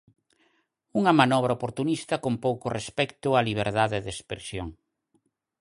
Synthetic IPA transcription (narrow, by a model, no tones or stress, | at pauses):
uŋɐmanɔβ̞ɾɐopoɾt̪unist̪ɐkompowkʊrespɛkt̪ʊaliβ̞eɾðaðeðespɾesjoŋ